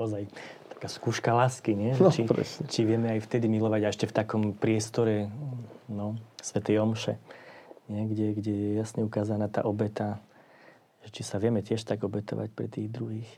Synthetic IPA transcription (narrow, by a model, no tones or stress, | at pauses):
ɔzajt̪ḁkaːskuːʃkalaːskiɲɪɛʒɛt͡ʃiɾɛ̰sɲɛt͡ʃiʋɪɛmɛajft̪ɛd̪imilɔʋaɟaɛʃcɛft̪akɔmpɾɪɛst̪ɔɾɛ | nɔsʋɛt̪ɛjɔmʃɛ̰ɲɪɛɡɟɛɡɟɛjɛjasɲɛukaːzanaːt̪a̰ːʔɔbɛt̪a | ʒ̥ɛt͡ʃisaʋɪɛmɛcɪɛʃt̪aɡɔbɛt̪ɔ̰ʋa̰c̚pɾɛ̰t̪iːɣd̪ɾuɦiːx